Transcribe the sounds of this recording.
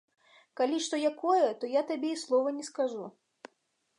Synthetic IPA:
kalʲiʂt̪ɔjakɔjɛt̪ɔjat̪abʲeislˠɔvɐnʲɛskaʐu

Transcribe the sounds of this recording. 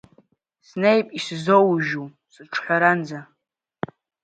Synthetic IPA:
snejpʼiszowʒu | sɨʈ͡ʂʰħᶣʷaɾand͡za

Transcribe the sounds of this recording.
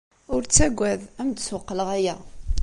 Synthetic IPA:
ʊɾt͡sːæɡʷːæðæmd̪swəqːələʁæjæ

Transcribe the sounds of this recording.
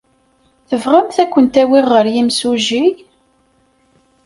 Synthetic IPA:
θəvʁæmθækʷːənt̪æwɪʁːəɾjimsuʒi

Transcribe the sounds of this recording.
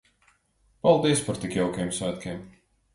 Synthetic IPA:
palˠd̪iɛspaɾt̪ikjɛwkʲijɛmsvæːt̪kʲiɛm

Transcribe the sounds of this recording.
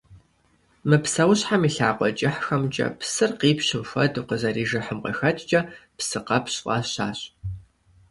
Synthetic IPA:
mɨpsɐwɕħamiːɬaːqʷɔt͡ʃʼɪħxɐmt͡ʃʼɐ̰psɨrqiːpɕɪmxʷɐ̰duqəzɐɾiːʒɨħəmqə̰xɐt͡ʃʼt͡ʃʼɐpsɨqɐpɕʔʷʼɐ̰ɕa̰ːɕʼ

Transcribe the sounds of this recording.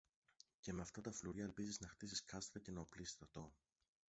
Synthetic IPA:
ce̞me̞ɐft̪ɐt̪ɐfluɾʝɐelpiziznɐxt̪isiskɐst̪ɾɐce̞nɐoplisst̪ɾɐt̪o̞

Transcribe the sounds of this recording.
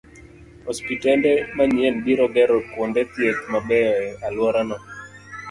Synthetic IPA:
hɔspitɛndɛmaɲjɛnbiɾɔɡɛɾɔkwondɛt̪jet̪̚mabɛalwɔɾanɔ

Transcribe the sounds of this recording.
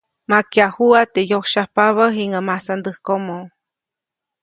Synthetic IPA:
makiahuat̪ejokʃahpaβaɦiŋamasand̪ɨhkomo

